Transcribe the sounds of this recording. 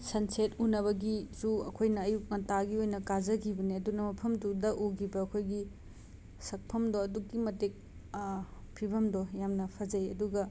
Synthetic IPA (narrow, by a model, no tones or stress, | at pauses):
sɐnsetunɐβɐɡisuɐ̰kʰojnɐːjuk̚nɐtaɡiojnɐkazɐkʰibɐniɐdunɐmɐpʰɐmdudɐʔuɡibɐːkʰojɡi | sɐk̚pʰɐmdoɐdukːimɐtek̚ | pʰibʱɐmdɔjamnɐpʰɐd͡ʒɐjɐduɡɐ